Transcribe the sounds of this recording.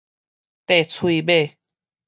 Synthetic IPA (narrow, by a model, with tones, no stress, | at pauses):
t̪e˥˧˩t͡sʰwi˧be˥˧˨